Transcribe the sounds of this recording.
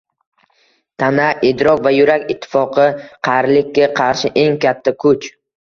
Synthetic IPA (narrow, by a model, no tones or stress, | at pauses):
t̪ʰanaɪd̪ɾɒkʲvajʊɾakʲɪt̪ʰːɪ̥fɒqʰɨqʰɑɾlɪkʲːaqʰɑɾʃɪʔe̞ŋkʲʰat̪ʰːakʰʊt͡ʃ